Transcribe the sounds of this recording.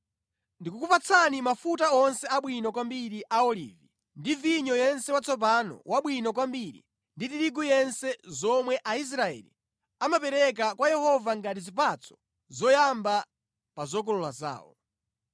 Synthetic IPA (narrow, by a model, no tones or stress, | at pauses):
ndikukupat͡sʰanimafutaɔnsɛaɓwinɔk̬wambiɾiʔaɔlḭːvi | ndiviɲɔjɛnsɛwat͡sɔp̬anɔ̰wʔaɓwinɔkwambiɾḭ | nditiɾiɡujɛnsɛzɔmwɛʔais̬ɾaɛ̰ːlḭ | amapɛɾɛk̬akwajɛhɔvaŋɡatizip̬at͡sʰɔ̥ | zɔjamba | pazɔkɔlɔlaza̰ːwɔ̰